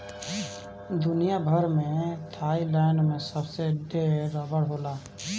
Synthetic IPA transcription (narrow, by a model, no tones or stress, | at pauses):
d̪ʊnijabʱəɾmẽt̪ʰaːilaɪnmẽsəbseɖeːɾəbəɽɦoːlaː